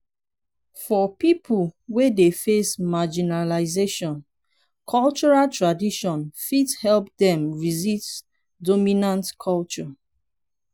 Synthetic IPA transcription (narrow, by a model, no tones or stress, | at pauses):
fɔpipʰulwedefesmad͡ʒinalaɪzeʃɔ̃n | kʰɔlt͡ʃɔɹaltɹadiʃɔ̃nfithɛlp̚dɛ̃mɹizit | dɔminãntkʰɔlt͡ʃɔ